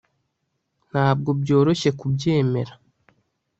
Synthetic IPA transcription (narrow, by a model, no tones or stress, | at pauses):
n̥haːbɡo̞bɟo̞ːɾoʃe̞kubɟe̞ːme̞̰ɾḁ